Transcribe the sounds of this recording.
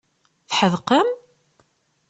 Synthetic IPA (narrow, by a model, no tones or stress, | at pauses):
θħəðqəm